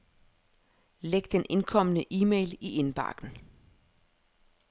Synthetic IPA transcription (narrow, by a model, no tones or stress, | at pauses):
leɡ̥̚d̥enʔe̝nkʰɒ̽m̰ənəʔiːmḛɪliʔe̝nb̥ɑ̰̈ːɡ̥n̩